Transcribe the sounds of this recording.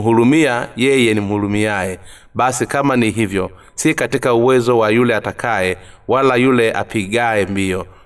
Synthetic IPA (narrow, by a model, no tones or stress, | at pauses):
ɦulumiajɛjɛnim̩hulumiajɛ | ɓasikamaniɦivjɔ | sikatikauwɛzɔwajulɛatakʰaɛwalajulɛʔa̰piɠaɛmbiɔ